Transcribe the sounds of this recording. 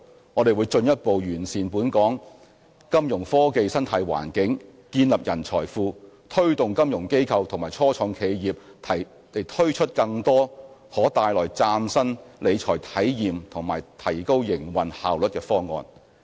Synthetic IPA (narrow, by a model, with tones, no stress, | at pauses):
ŋɔː˨˧d̪e˨jwuː˨˧jt͡ʃɵ˧njɐ˥t̚po˨wjyː˨˩nsiː˨npuː˨˥nkɔː˨˥ŋ | kɐ˥mjʊ˨˩ŋfɔː˥ke˧jsɐ˥nt̪ʰɐ˨˧jwa̰ː˨˩nkɪ˨˥ŋkiː˧nlɐ˨p̚jɐ˨˩nt͡ʃʰɔː˨˩jfuː˧ | t̪ʰɵ˥ɥt̪ʊ˨ŋkɐ˥mjʊ˨˩ŋke˥jkʰɐ˧wt̪ʰŋmaː˨˩jt͡ʃʰɔː˥t͡ʃʰɔː˨˧ŋkʰe˨˧jjiː˨p̚t̪ʰɐ˨˩j | e˨˩jt̪ʰɵ˥ɥt͡ʃʰɵ˥t̚kɐ˧ŋt̪ɔː˥hɔː˨˥t̪aː˨˧jlɔː˨˩jt͡saː˧msɐ˥nle˨˧t͡ʃʰɔː˨˩jt̪ʰɐ˨˥jjiː˨mt̪ʰʊ˨˩ŋmaː˨˩jt̪ʰɐ˨˩jko˥wjɪ˨˩ŋwɐ˨nha̰ː˨wlɵ˨t̚kɛː˧fɔː˥ŋɔ̰ː˨˧n